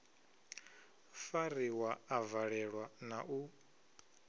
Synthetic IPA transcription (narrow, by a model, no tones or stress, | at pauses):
faɾiwaːvaɺɛɺwanaʔu